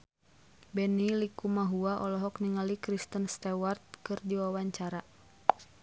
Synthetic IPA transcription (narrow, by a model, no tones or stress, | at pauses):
bɛnilikumaɦuaʔɔlɔɦɔk̚niŋalikɾist̪ənst̪ɛwart̪̚kɨrdiwawaɲt͡ʃaɾa